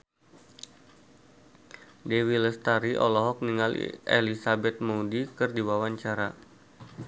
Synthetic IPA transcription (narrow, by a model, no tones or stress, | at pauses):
dewiləst̪aɾiʔɔ̰lɔɦɔk̚niŋal̰ʔḛlisabɛt̪̚moudikərdiwawaɲt͡ʃaɾa